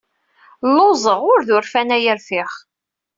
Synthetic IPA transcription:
lːozˤəʁʊɾðʊɾfænæjəɾfɪχ

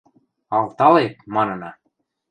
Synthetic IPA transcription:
ɑlt̪ɑlek̚mɑnɤ̆nɑ

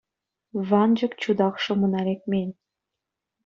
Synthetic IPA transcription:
βɑnd͡ʑɤ̆kt͡ɕud̪ɑkʃɤ̆mɤ̆nɑlek̚mʲenʲ

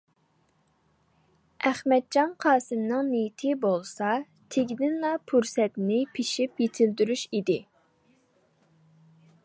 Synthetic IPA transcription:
ʔæχmɛd̪̚d͡ʒɑnqʰɑːsɨmnɨŋnejit̪ʰɪbolˠsɑ | t̪ʰeɡʲid̪ɪnlˠɑpʰuɾsɛt̪nɪpʰiʃipjet̪ʰɪld̪yɾyʃid̪ɪ

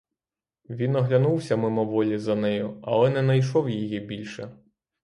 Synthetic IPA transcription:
ʋʲinɔɦlʲɐnuwsʲɐmɪmɔʋɔlʲizɐnɛjʊɐ̰lˠɛnɛnɐjʃɔwjijibʲilʲʃɛ

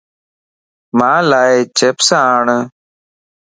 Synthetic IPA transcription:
maːlaːjet͡ɕepsaːɳ

